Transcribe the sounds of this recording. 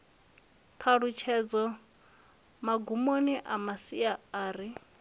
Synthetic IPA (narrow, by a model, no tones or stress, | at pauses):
tʰaɺut͡ʃʰɛːd͡zɔ | maɡumoniʔamasiaaːɾi